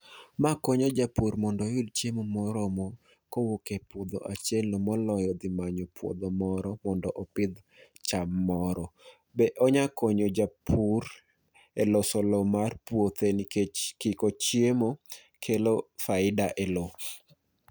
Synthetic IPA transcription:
makɔɲɔd͡ʒapurmɔndɔjʊdt͡ʃemomɔɾɔmɔ | kowokepʊd̪ɔʔat͡ʃɛlomɔlɔjɔd̪ɪmaɲɔpwo̰d̪ɔmɔɾɔmɔndɔʔɔpɪd̪ | t͡ʃamːɔɾɔ | bɛʔɔɲakɔɲod͡ʒapʰuɾ | elosɔlɔmarpwot̪enkɪkɔt͡ʃjemo | kʰelofaɪdaʔelo

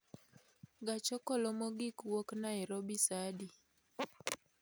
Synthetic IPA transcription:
ɡat͡ʃɔkɔlɔmɔɡikwoknaiɾɔbisadi

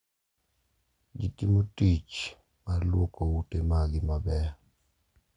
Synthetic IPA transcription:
d͡ʒitimotit͡ʃ | malwokoutemaɡɪmabɛ

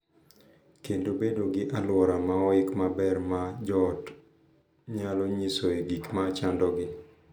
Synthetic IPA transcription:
kendobedoɡɪʔalwɔɾamaɔɪkmabɛrmad͡ʒɔt | ɲalɔɲisoeɡikmat͡ʃandɔɡɪ

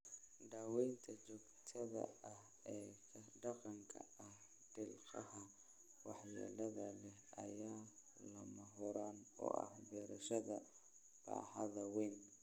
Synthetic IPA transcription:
ɖaːwɛjnt̪ʰɐt͡ʃɔːɡt̪ʰɐðɐ̰ɐh | ɛːkʰɐɖɑqɑŋkʰɐ̰ɐh | d̪̥ɪlqɑhɐ | wɑħja̰ːlɐðɐlɛɦɐjaːlɐmɐɦɔɾaːnɔ̰ːʔɐ̰hbɛːɾɐʃɐðɐ | b̥a̰ːħɐðɐwɛjn

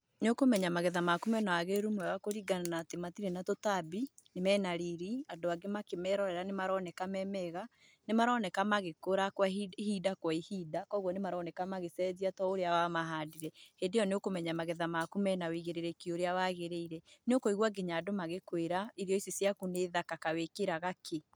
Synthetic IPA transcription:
neokomɛɲamaɣɛðamakumɛnawaɣeɾumwɛwakoɾiɡananatematiɾenatotabinemɛnaɾiɾiadoaɡemakemɛɾɔɾɛɾanemaɾɔnɛkamɛmɛɣa | nemaɾɔːnɛkamaɣekoɾakwaihiːdakwaihiːdakɔɣwɔnemaɾɔːnɛkamaɣesɛðiatɔoɾeawamaɦaːdiɾɛhendejɔneokomɛɲamaɣɛðamakumɛnaweiɣeɾeɾɛkioɾeawaɣeɾeiɾɛneokoiɣwaɡeɲaːdomaɣekweɾaiɾjɔisesjakuneðakakawekeɾaɣakʰe

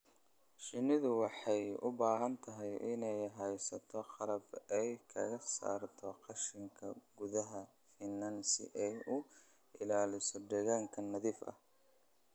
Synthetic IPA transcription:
ʃɪnɪðʊwɑħɑjʊ̰baːɦɐnt̪ʰɐɦɛjʔɪnɛjɦɛjsɐt̪ʰɔqɑlɐbɛjkʰɐɣɐsa̰ːrt̪ʰɔqɑʃɪŋkʰɐɡʊðɐɦɐ | fɪnːɐnsɪ̰ʔɛjʊ | ɪlaːlɪsɔd̪ɛɣaːŋkʰɐnːɐðiːfɐ̰h

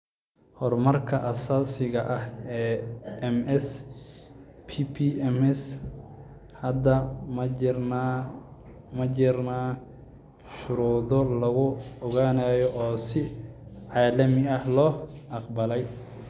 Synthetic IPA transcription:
hɔrmɐrkʰɐʔɐsaːsɪɣɐʔɐhɛːɛmɛs | pʰipʰiɛmɛs | hɐd̪ɐmɐrna | mɐd͡ʒɪrnaː | ʃʊɾuːðɔlɐɣʊɔɣaːnaːjɔʔɔːsɪʕɑːlɐmɪɐhlɔːʔɑqbɐlɛj

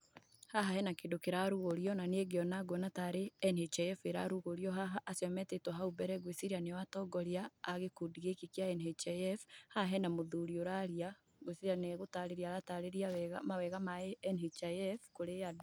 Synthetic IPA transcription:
haɦahɛnakedokeɾaɾuɣoɾijɔnaneɡeɔnaɡwɔnataɾeɛnhet͡ʃaɛfeɾa̰ɾuɣoɾjɔɦaɦaʔːsjɔmɛtetwɔɦaubɛɾɛɡwesiɾianewatɔɡɔɾjaːɣekudiɣekekjaɛnet͡ʃaɛfhaɦɛnamoðuɾioɾaɾja | ɡwesiɾianeɣotaɾeɾiaɾataɾeɾiawɛɣamawɛɣamaɛɛnet͡ʃaɛfkoɾea

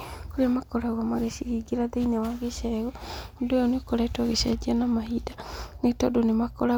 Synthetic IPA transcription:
koɾeamakɔɾaɣwamaɣeʃiɾiɡeɾaðeinawaɣeʃɛɣɔodojoneokoɾɛtɔɣeʃad͡ʒianamahidanetɔdonemakɔɾa

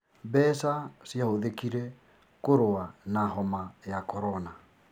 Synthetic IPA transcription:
bɛsasjahoðekiɾɛ | koɾoanaɦɔmajakɔɾɔna

